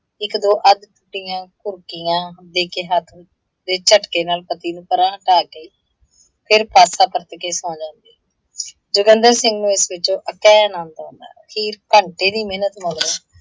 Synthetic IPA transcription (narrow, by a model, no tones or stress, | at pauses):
ɪkd̪oːʔəd̪ʈʊʈːijãːkʊɾkɪjãːd̪eːkeːɦat̪ʰ | d̪eːt͡ʃəʈkeːnaːlpət̪iːnũːpəɾãːʈaːɡəiː | pʰɪɾpaːsaːpəɾt̪keːsɔ̃ːd͡ʒãːnd̪iː | d͡ʒʊɡənd̪əɾsɪŋɡnũːɪsʋɪt͡ʃõːʔəkɛːənãːnd̪ãːnd̪a̰ːkʰiːɾpəɳʈeːd̪iːmeːnət̪məlɾoː